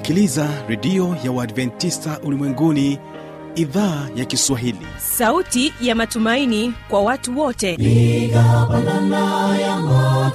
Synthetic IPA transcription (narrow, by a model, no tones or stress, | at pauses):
kilizaɾɛdiɔjawadvɛntistaʔulimwɛŋɡuni | iðaːjakiswaɦilḭ | sautijamatumainikwawatuwɔtɛikapananajama